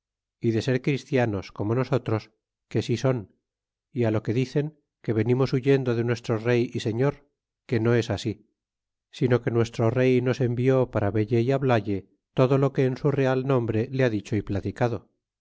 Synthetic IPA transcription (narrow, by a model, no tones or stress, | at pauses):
iðe̞se̞ɾkɾist̪jano̞sko̞mo̞no̞so̞t̪ɾo̞s | ke̞siso̞n | ialo̞ke̞ðiθe̞ŋ | ke̞βe̞nimo̞suʝe̞nd̪oðe̞nwe̞st̪ɾo̞re̞jise̞ɲo̞ɾ | ke̞no̞e̞sasi | sino̞ke̞nwe̞st̪ɾo̞re̞jno̞se̞mbio̞paɾaβe̞ʎejaβlaʎe̞ | t̪o̞ðo̞lo̞ke̞ːnsure̞alnõ̞mbɾe̞leaðit͡ʃo̞iplat̪ikaðo̞